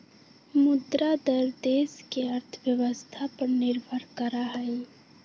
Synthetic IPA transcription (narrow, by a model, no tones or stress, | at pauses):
mʊd̪ɾad̪əɾd̪eːskeəɾt̪ʰʋjəʋəst̪ʰapəɾnɪɾbʱəɾkəɾaɦɛj